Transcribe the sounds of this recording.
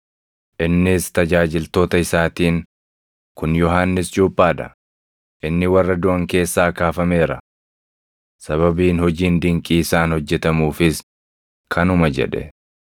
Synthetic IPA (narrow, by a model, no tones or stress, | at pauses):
ʔɪnːɪst̪ɐd͡ʒaːd͡ʒɪlt̪o̞ːt̪ɐɪsaːt̪iːŋ | kʊnjɔɦaːnːɪsd͡ʒuːpʼːaːd̪ɐ̰ | ʔɪnːɪwɐrːɐd̪ʊʔɐŋke̞ːsːaːkaːfɐme̞ːɾɐ | sɐβɐbiːnhɔd͡ʒiːnd̪ɪŋkʼiːsaːnhɔd͡ʒːɛt̪ɐmuːfɪs | kʰɐnʊmɐd͡ʒɛ̰ᶑɛ̰